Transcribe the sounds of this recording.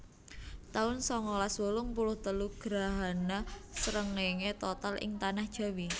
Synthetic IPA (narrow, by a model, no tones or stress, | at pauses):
t̪aʊnsɔŋɔlaswolʊŋpulʊht̪əluɡ̥ɾa̤ɦanasɾəŋleŋet̪ɔt̪alʔɪ̰ŋt̪anahd̥ʒ̥a̤wi